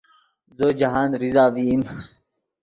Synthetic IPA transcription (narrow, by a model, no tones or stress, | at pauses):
zoːd͡ʑaɦaːnɾizaːʋim